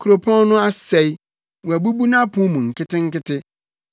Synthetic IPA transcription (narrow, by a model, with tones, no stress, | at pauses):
kʰu˨ɾo˨pʰɔ̃˦n˦nʊ̃˦a˦sɛ˨i˦ | wu˨æ˨bu˦bu˦nã˦pʰũ˦mũ˨ŋ̩˨kɪ˦tɪ˦ŋ̩˦kɪ˦tɪ˦